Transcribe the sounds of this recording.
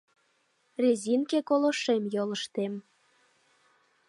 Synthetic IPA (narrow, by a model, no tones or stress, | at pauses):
rʲezʲinkekolŏʃemjolə̆ʃt̪em